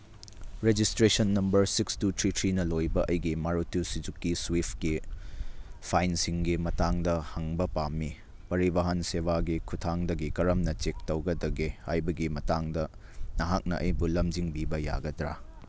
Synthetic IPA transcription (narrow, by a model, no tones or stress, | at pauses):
ɾed͡ʒistɾesɐnːɐmbɐɾsikstutʰɾitʰɾinɐlojbɐʔɐjɡimaɾutjusid͡ʒukːiswipʰki | pʰajnsiŋɡimɐtaŋdɐhɐŋbɐpamːi | pɐɾibaɦɐnseβaɡikʰutʰaŋdɐɡikɐɾɐmnɐt͡ʃek̚tɐwɡɐdɐɡehajbɐɡimɐtaŋdɐ | nɐɦak̚nɐ̰ʔɐjbulɐmd͡ʒiŋbibɐja̰ɡɐdɾa̰